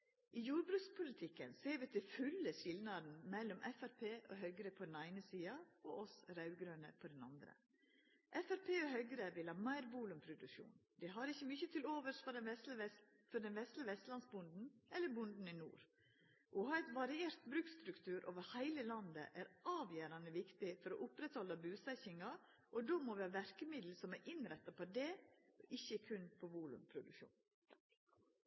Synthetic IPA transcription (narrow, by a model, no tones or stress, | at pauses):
ʔɪjuːɾbɾʉːkspʰʊlɪt̪ʰɪkːənseːɾʋɪt̪ʰɪfʉlːəʃɪlnɑd̪n̩mɛlːɔmʔɛfæɾpʰeːʔoːɦœʏɡɾəpʰɔd̪ɛnæɪnəsiːɑo̰ːɔsɾɑʉɡɾøːnə̰pʰɔd̪ɛnɑ̰nd̪ɾə̰ | ʔɛfæɾpʰeːoɦœʏɡəɾəʋɪlhɑːmæɪɾʋuːlʉmpʰɾʊd̪ʉʃṵːnd̪ɛɦɑɾɪçːəmʏçət̪ʰɪloːʋəʂfɔɛs | fɔɖ̪ɛnʋɛst̪lɪəʋɛst̪lɑnsbʊnd̪n̩ɛlːəɾbʊnd̪n̩ɪnṵːɾ | ʔɔɦɑːɛɪt̪ʋɑɾɪeːɾt̪bɾʉːkst̪ɾʉkt̪ʰʉːɾʔo̰ːʋəɾhæɪləlɑnd̪ə̰ʔæɾɑːʋjøːɾɑnəʋɪkt̪ɪfɔɾɔʔʊpɾɛt̪hɔlːɑbʉːsɛçɪŋɑ | ʔɔd̪oːmɔʋɪhɑːʋæɾkəmɪd̪l̩sɔmæɾʔɪnɾɛt̪ːɑpɔd̪ɛʔɪçːəkʰʉnpʰɔʋuːlʉ̰mpʰɾʊd̪ʉkʃṵːn